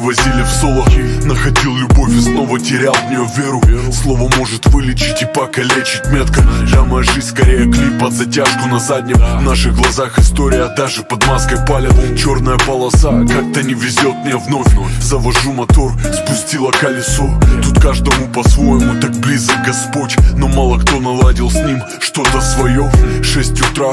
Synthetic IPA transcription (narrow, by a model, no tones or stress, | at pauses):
vɐzʲilʲɪfso̞lˠənəxɐdʲilˠlʲʊbo̞fʲɪsno̞vətʲɪɾʲalˠvnʲɪjovʲeɾʊslˠo̞vəmo̞ʐɨt̪vɨlʲɪt͡ɕɪ̥tʲɪpɐkɐlʲet͡ɕɪt̚ʲmʲet̪kɐʒaməjʐɨsʲskɐɾʲejəklʲipɐt̪zɐtʲaʂkʊnɐzad̪ʲnʲɪmvnaʂɨɣɡlˠɐzaxɨst̪oɾʲɪjɐd̪aʐɨpɐd̪maskəjpalʲɪt͡ɕo̞rnəjəpɐlˠɐsakak̚t̪ənʲɪvʲɪzʲo̞t̪̚mʲnʲavno̞fʲzɐvɐʐumɐt̪o̞rspʊsʲtʲilˠəkɐlʲɪsot̪ut̪kaʐd̪əmʊpɐsvo̞jɪmʊt̪ak̚blʲizək̚ɡɐspo̞tʲnomalˠəkt̪o̞nɐlˠadʲɪlˠsʲnʲim | ʂt̪o̞t̪əsvɐjo̞ʂɛsʲtʲʊt̪ɾa